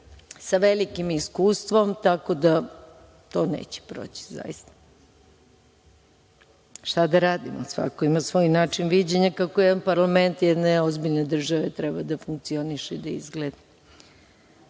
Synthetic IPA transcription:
saʋelikimiskuːst̪ʋomt̪ako̞d̪a | t̪o̞nḛːt͡ɕe̥pɾo̰ːt͡ɕi̥za̰jḭst̪ḁ | ʃt̪ad̪aɾaːd̪imo̰sʋa̰koimasʋo̞ːjnaːt͡ʂinʋid͡ʑeɲakakojɛd̪anpaɾlament̪jɛd̪neozbiʎned̪r̩ʒaʋet̪ɾɛbad̪afuŋkt̪sio̞niʃeid̪aizɡled̪a

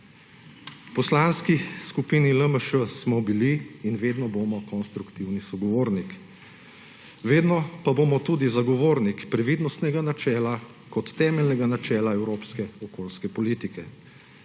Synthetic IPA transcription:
pɔslanskiskupiːniləməʃəsmɔbiliːnʋeːd̪nɔboːmɔkɔnst̪ɾukt̪iwnisɔɡɔʋoːɾnik | ʋeːd̪nɔpaboːmɔt̪uːd̪izaɡɔʋoːɾnikpɾɛʋid̪nɔst̪nɛɡanat͡ʃɛːla | kɔt̪ːɛːmɛlnɛɡanat͡ʃɛːlaɛwɾoːpskɛɔkoːlskɛpɔlit̪ikɛ

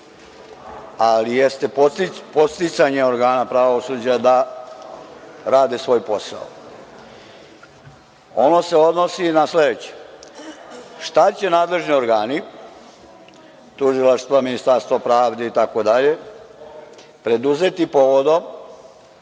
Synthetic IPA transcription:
alijest̪e̞popo̞t̪st̪it̪saɲe̞o̞ɾɡaːnapɾaʋosuːd͡ʑad̪a | ɾaːd̪esʋo̞ːjpo̞sa̰o̰ | o̞no̞se̞o̞d̪nosinasled̪et͡ɕe̥ | ʃt̪at͡ɕe̞naːd̪le̞ʒnio̞ɾɡaːni | t̪uʒilaʃst̪ʋaminist̪aɾst̪ʋapɾaːʋd̪e̞it̪ako̞d̪aʎe̞ | pɾe̞d̪uze̞t̪ipo̞ʋo̞d̪o̞

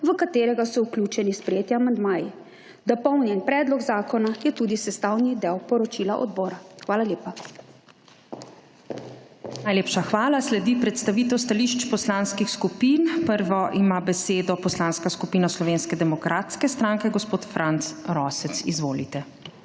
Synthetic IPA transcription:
ʋəkat̪eːɾɛɡasɔwkljut͡ʃɛnispɾɛjeːt̪jaamand̪maːji | d̪ɔpɔwnjɛnpɾɛːd̪lɔɡzaːkɔnajɛt̪uːd̪isɛst̪awnid̪ɛwpɔɾɔt͡ʃilaʔɔ̰d̪bɔːɾaxʋaːlaljeːpa | najleːpʃaxʋaːlaslɛd̪ipɾɛt̪st̪aʋiːt̪ɛwst̪aliʃt͡ʃpɔslanskixskupiːnpəɾʋɔʔimabɛseːd̪ɔpɔslanskaskupiːnaslɔʋeːnskɛd̪ɛmɔkɾʔaːt̪skɛst̪ɾãŋkɛɡɔspoːt̪fɾʔant̪sɾɔːsɛt̪sḭzʋoːlḭt̪ɛ

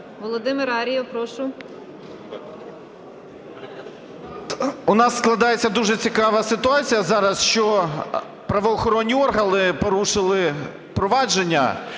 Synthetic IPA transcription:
ʋɔlˠɔd̪ɪmɪɾɑɾʲijpɾɔʃʊ | ʊnɑsːklˠɐd̪ɑjet͡sʲːɐd̪uʒɛt͡sʲikɑʋɐsɪt̪ʊɑt͡sʲijɐzɑɾɐsʃt͡ʃɔ | pɾɐʋɔːxɔɾɔnʲːiɔrɦɐnɪpɔɾuʃɪlˠɪ | pɾɔʋɑd͡ʒenʲːɐ̰

